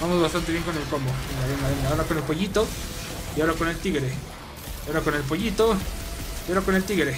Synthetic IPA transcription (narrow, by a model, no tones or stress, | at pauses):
bamozβast̪ant̪e̞βjeŋko̞ne̞lkomboenaβenaβend̪aoɾakone̞lpo̞ʝit̪o | iaoɾakone̞lt̪iɣɾe | aoɾakone̞lp̬o̞ʝit̪oiaoɾako̞ne̞lt̪iɣɾe